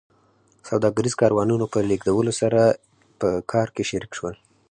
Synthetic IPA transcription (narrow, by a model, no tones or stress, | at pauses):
sawd̪ɑɡaɾizkɑɾwɑnunopəleɡd̪awəlosaɾa | pəkʰɑɾkeʃaɾikʃwəl